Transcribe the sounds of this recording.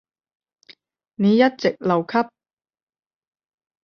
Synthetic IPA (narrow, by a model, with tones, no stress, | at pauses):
ne˨˧jɐ˦˥t̚t͡se˨˩k̚lɐ˨˩wkʰɐ˥p̚